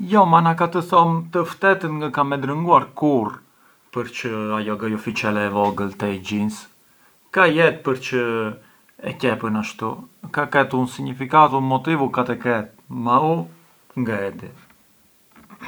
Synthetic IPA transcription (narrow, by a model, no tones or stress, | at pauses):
jɔmanakat̪əθɔmt̪əft̪ɛt̪ənŋɡakamɛd̪ɾəŋɡuaɾkuɾ | pəɾt͡ʃəajɔɡajɔfit͡ʃɛlɛːvɔɡəlt̪ɛɟins | kajɛt̪̚pəɾt͡ʃə | ɛ̰cɛpənaʃt̪ukakɛt̪unsiɲifikat̪umɔt̪ivukat̪ɛkɛt̪̚mau | ŋɡaɛd̪ɛ